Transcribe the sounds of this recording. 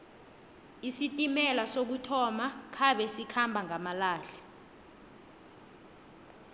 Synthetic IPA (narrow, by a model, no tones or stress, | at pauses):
isitʼimɛlasok̬utʰɔmakʰaɓɛsikʰambʱaŋʱamalaːɬɛ